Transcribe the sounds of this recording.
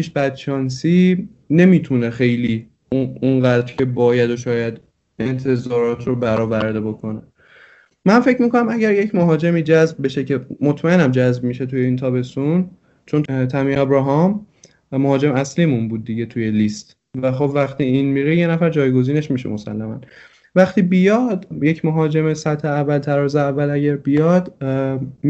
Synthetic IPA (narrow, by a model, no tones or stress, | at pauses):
pʰiʃbæd̪̥̚t͡ʃʰɒːnsiː | ne̞miːt̪ʰunexe̞jliː | uunɢæːd̪ɾcʰe̞bɒːjæd̪oʃɒːjæd̪ | ent̪ʰe̞zɒːɾɒːt̪ʰɾobæɾɒːvæɾd̪e̞bo̞kʰo̞ne | mænfe̞cʰmiːko̞næmæɟæɾje̞cʰmoɦɒːd͡ʒe̞miːd͡ʒæzb̚be̞ʃe̞cʰe̞mot̪ʰmæʔenæmd͡ʒæzbmiːʃet̪ʰujeiːnt̪ʰɒːbe̞st̪un | t͡ʃʰont̪ʰæmiɒbɾɒːɦɒmː | ohɒːd͡ʒe̞mæslimunbuːd̪̚ːiɟe̞t̪ʰuje̞list̪ | væxo̞bvæxt̪iːiːnmiɾijenæfæɾd͡ʒɒːjɡo̞ziːne̞ʃmiʃḛmosæ̰lːæmæ̰n | væxt̪iːbijɒd̪je̞cʰmoɦɒːd͡ʒe̞mesæt̪heævːælt̪ʰæɾɒːzeævːælæɟæɾbijɒd̪